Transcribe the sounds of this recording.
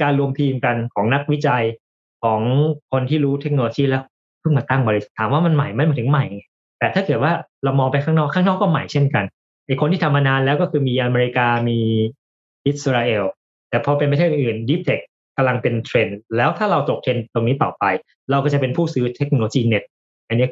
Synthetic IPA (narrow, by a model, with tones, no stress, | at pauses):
kaː˧nɾu˧əmt̪ʰiː˧mka˧nkʰɔː˩˦ŋna˦˥k̚wi˦˥t͡ɕa˧j | kʰɔː˩˦ŋkʰo˧nt̪ʰiː˥˩ɾuː˦˥t̪ʰe˦˥k̚noː˧loː˧t͡ɕiː˥˩lɛː˦˥w | pʰɯ˥˩ŋmaː˧t̪a˥˩ŋbɔː˧li˦˥sḁ˨˩t̪ʰaː˩˦mwaː˥˩ma˧nma˨˩jma˧˩nmi˨˦˩ɯ˩˦ŋma˨˩jŋa˧˩ | t̪ɛː˨˩t̪ʰaː˥˩kɤː˨˩ət̚waː˥˩ɾa˧wmɔː˧ŋpa˧jkʰaː˥˩ŋnɔː˥˩kʰaː˥˩ŋnɔː˥˩kːɔː˥˩ma˨˩jt͡ɕʰe˥˩nka˧n | ʔa˨˩jkʰo˧nt̪iː˥˩a˧mːaː˧naː˧nlɛː˦˥wkɔː˥˩kʰɯː˧miː˧ʔa˧meː˧ɾi˧˥kaː˧miː˧ | ʔi˦˥t̪̚sɾaː˧ʔeː˧w | t̪ɛː˨˩pʰɔː˧pe˧npa˧t̪ʰeː˥˩ʔ̚ʔɯː˨˩ndi˦˥p̚t̪ʰe˨˩k̚ːa˧mla˧ŋpe˧nt̪ʰɾe˧nlɛː˦˥wt̪ʰaː˥˩ɾa˧wt̪o˨˩k̚t̪ʰe˧nt̪o˧ŋniː˦˥p̪a˨˩wpa˧j | ɾa˧wkɔː˥˩t͡ɕa˨˩pe˧npʰuː˥˩sɯː˦˥t̪ʰe˦˥k̚no˧lo˧t͡ɕiː˥˩ne˦˥t̪̚ | ʔa˧nːi˦˥˨